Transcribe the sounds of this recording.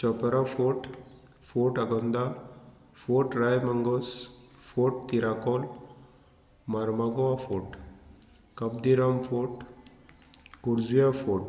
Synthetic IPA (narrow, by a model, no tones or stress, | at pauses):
t͡ɕt͡ʃɔpəɾafoʈ | foʈaɡɔnd̪a | foʈɾajməŋɡɔsfoʈ̚t̪iɾakɔl | maɾmaɡɔafoʈ | kəb̚d̪iɾamfoʈ | kuɾd͡zujafoʈ